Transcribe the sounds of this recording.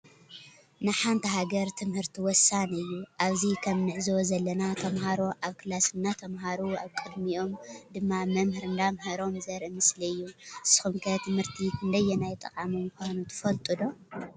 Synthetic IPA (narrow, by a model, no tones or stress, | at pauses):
nɨħant̪ʰɐɦaɡɐɾt̪ʰɨmhɨɾt̪ʰiwɔsːanɨjːuʔaβzikʰɐmnɨʕɨzozɐlːɐnat̪ʰɐmɦaɾo̞ʔaβkʰɨlasɨnːat̪ʰɐmɦaɾua̰βkʼɨd̪miʔo̞md̪ɨmːamɐmhɨɾɨnd̪amɦɐɾo̞mzɐɾʔɨmɨsliɨjːusɨ̥xumkʰɐt̪ʰɨmhɨɾt̪ʰikʰɨnd̪ɐjːɛnajt̪ʼɐkʼamijɨxʷanut̪ʰɨ̥fɐlt̪ʼud̪o̞